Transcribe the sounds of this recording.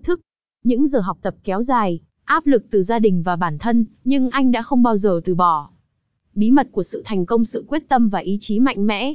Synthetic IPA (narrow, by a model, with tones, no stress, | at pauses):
t̪ʰɨ˦˥k̚ | ɲɨ̰˧˥ŋzəː˨˩ɦa˨˩wk͡p̚t̪ə˨˩p̚kɛ˨˦wzaː˨˩j | ʔaː˦˥p̚lɨ˨˩k̚t̪ɨ˨˩zaː˧ɗï˨˩ŋ̟vaː˨˩ɓaː˧˩nt̪ʰə˧nɲɨ˧ŋʔa˧jŋ̟ɗa̰ː˧˥xə˧wŋ͡mɓaː˧wzəː˨˩t̪ɨ˨˩ɓɔ˧˩ | ɓi˨˦mə˨˩t̚ku˧˩əsɨ̰˧˨t̪ʰa˨˩jŋ̟kə˧wŋ͡msɨ̰˧˨kwi˦˥ət̚t̪ə˧mvaː˨˩ʔi˨˦t͡ɕi˨˦ma̰˧˨jŋ̟mɛ̰˧˥